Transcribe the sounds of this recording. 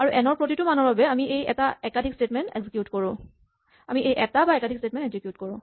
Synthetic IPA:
aɹuʔɛnɔɹpɹotitʊmanɔɹbabɛamiʔejɛ̰taɛkadʰʱikstetmɛntḛɡzikjutkoɹʊ̃ | amiʔejʔɛtabaɛkadʱikstet̚mɛ̃nteɡzikjutkoɹʊ̃

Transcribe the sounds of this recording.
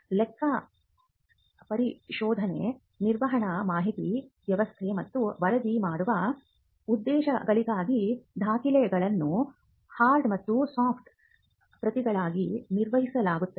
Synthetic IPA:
lɛkʰːɐ | pɐɾiʃɔːd̪ʱɐnḛ | niɾʋɐɦɐɳɐmaːɦit̪iʋjɐʋɐst̪ʰemɐt̪ːuʋɐɾɐd̪imaːɽuʋɐ | ud̪ːɛːʃɐ̰ɡɐɭiɡaːɡid̪ʱaːkilɛjɐɡɐɭɐnːu | haːɾɖmɐt̪ːusaːpʰʈ̪ʰ | pɾɐt̪iɡɐɭaːɡiniɾʋɐɦisɐlaːɡut̪ːɐe

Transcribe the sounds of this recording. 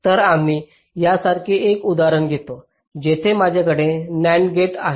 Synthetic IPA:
t̪əɾam̤iː | jasaɾkʰiʔekud̪aɾəɳɡʱet̪o | d͡ʑet̪ʰemad͡ʑʱakəɽenæɳɡeʈa

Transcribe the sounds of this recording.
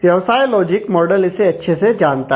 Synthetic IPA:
ʋjɐʋsajlɔd͡ʑikmɔɖəliseɐtːɕʰesed͡ʒant̪a

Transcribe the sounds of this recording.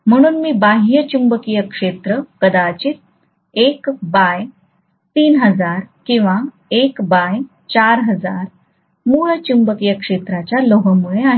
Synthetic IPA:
m̤əɽ̃uːnmiːbaɦijət͡ɕumbəkijəkʂet̪ɾəkəd̪at͡ɕiːt̪̚ | ekbaj | t̪iːnɦəd͡zaɾkĩw̃ʋa | ekbaj | t͡ɕaɾɦəd͡zaɾ | muɭət͡ɕumbəkijəkʂet̪ɾat͡ɕjaloɦəmuɭeaɦ

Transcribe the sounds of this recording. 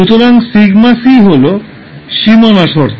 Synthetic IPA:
ut̪oɾaŋsiɡmasiɦolo | ʃimonaʃoɾ

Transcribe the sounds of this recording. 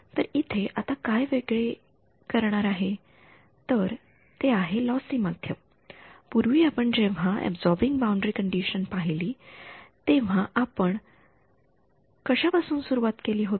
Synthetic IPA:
t̪əɾit̪ʰeʔat̪akajʋeɡɭe | kəɾɳaɾaɦe | t̪əɾ | t̪eaɦelɔsiːmad̪ʱjə | puɾʋiːapəɳd͡ʑeʋ̤aʔɛ̰bd͡zɔɾbiŋɡbaũɳɖɾikəɳɖiɕənpaɦiliːt̪ẽʋ̤ãʔapəɳ | kəɕapasuːnsuɾuʋat̪keliːɦot̪i̥

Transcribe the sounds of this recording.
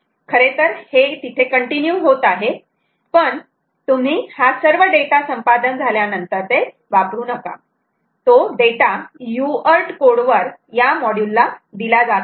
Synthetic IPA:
kʰəɾet̪əɾhet̪it̪ʰekəɳʈinjuɦot̪aɦe | pəɳ | t̪um̤iːhasəɾʋəɖeʈasəmpad̪ənd͡zʱaljanənt̪əɾt̪e | ʋapɾuːnəka̰ | t̪oɖeʈajuəɾʈkoɽʋəɾjamɔɽjulːad̪ilad͡zat̪

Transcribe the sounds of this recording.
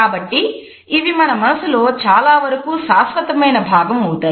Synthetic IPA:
aːbɐʈːiː | ʋimɐnɐmɐnɐsuloːt͡ʃaːlaːʋɐɾɐkuːʃaːsʋɐt̪ɐmɐjnɐbʱaːɡɐmuːt̪ɐː

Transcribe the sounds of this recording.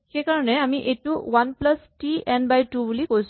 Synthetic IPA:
xɛkaɹɔnɛamiʔetuwanplastiɛnbajtubulikojs

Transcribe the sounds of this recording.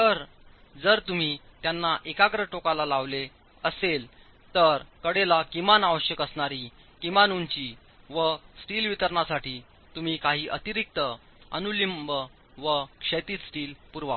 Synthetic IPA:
t̪əɾ | d͡zəɾt̪um̤iːt̪janːaʔekakɾəʈokalalaʋle | əsel | t̪əɾkəɽelakimanaʋəɕjəkəsɳaɾi | kimanunt͡ɕi | ʋəsʈiːlʋit̪əɾɳasaʈiː | t̪um̤iːkaɦiːʔət̪iɾik̚t̪ə | ə̰nulimbə | ʋəkʂət̪iːt̪sʈiːlpuɾʋa

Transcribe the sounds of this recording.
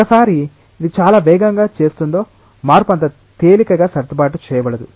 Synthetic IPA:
kɐsaːɾi | id̪it͡ʃaːlaːʋɛːɡɐŋɡaːt͡ʃe̞ːst̪und̪o̞ː | maːɾupɐnt̪ɐ | t̪eːlikɐɡaːsɐɾt̪ɐbaːʈut͡ʃɛːjɐbɐɽɐd̪u

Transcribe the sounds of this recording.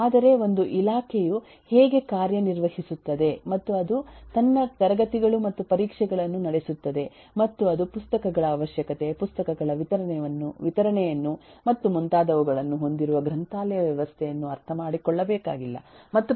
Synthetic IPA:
aːd̪ɐɾe̞o̞nd̪uʔilaːkʰeju | hɛːɡe̞kaːɾjɐniɾʋɐhisut̪ːɐd̪e̞mɐt̪ːuɐd̪ut̪ɐnːɐt̪ɐɾɐɡɐt̪iɡɐɭumɐt̪ːupɐɾiːkʂɛɡɐɭɐnːunɐɽesut̪ːɐd̪e̞ | mɐt̪ːuɐd̪upust̪ɐkɐɡɐɭɐːʋɐʃjɐkɐt̪e̞pust̪ɐkɐɡɐɭɐʋit̪ɐɾɐɳɛʋɐnːuʋit̪ɐɾɐɳɛjɐnːumɐt̪ːumunt̪aːd̪ɐʋuɡɐɭɐnːuɦo̞nd̪iɾuʋɐɡɾɐnt̪aːlɛjɐʋjɛʋɐst̪ʰɛjɐnːuɐɾt̪ʰɐmaːɽikɔɭːɐbɛːkaːɡilːɐ̰mɐt̪ːu

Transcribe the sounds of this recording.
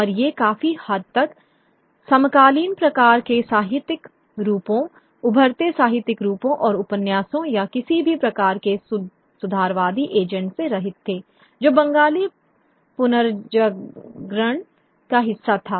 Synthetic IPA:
ɔːɾjekaːfihɐd̪̚t̪ɐk | sɐmkaːliːnpɾɐkaːɾkesaːɦɪt̪ɪk | ɾuːpõ | ʊbʱəɾt̪esaːɦɪt̪ːɪkɾuːpõʔɔːɾʊpənjaːsõjakɪsibʱipɾɐkaːɾke | sʊd̪ʱaːɾʋaːd̪iʔeːd͡ʒə̃ɳʈseɾɐɦɪt̪ʰːeː | d͡ʒoːbɐ̃ŋɡaːli | pʊnəɾd͡ʒəɡɾəɳ̃ | kaɦɪsːat̪ʰaː

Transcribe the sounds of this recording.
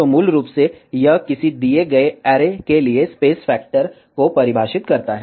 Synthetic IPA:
omuːlɾuːpsejɐɦkɪsid̪ieɡɐeɛːɾekeliespeːsfɛːk̚ʈəɾ | kopɐɾɪbʱaːʃɪt̪kɐɾt̪aɦɛ

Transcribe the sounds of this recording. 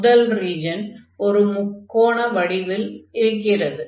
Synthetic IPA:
ðɐlriːd͡ʒɐn | ɔɾɯmʊkːoːɳɐʋɐɽɪʋɪlɪɾɯkːɪrɐðɯ

